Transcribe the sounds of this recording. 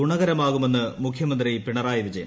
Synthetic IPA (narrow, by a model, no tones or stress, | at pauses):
uɳɐɣɐɾɐmaːɣume̞nːɨmukʰjɐmɐnd̪ripiɳɐraːjiʋid͡ʑɐjɐ